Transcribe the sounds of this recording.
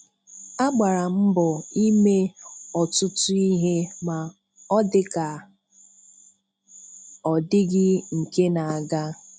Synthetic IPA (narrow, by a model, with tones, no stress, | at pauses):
a˦ɡ͡ba˨ɾa˨m̩˦bʊ˨i˦me˦ɔ˨tʊ˦tʊ˦i˦ɦe˦ma˨ | ɔ˦dɪ˦ka˨ | ɔ˨dɪ˦ɡɪ˦ŋ̩˨ke˦na˨a˨ɡa˦